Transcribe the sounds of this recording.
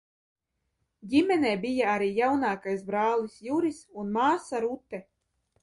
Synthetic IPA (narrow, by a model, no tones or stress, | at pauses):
ɟʲimʲɛnɛːbijaaɾiːjawnaːkajsbɾaːlˠisjuɾisunmaːsaɾut̪ːɛ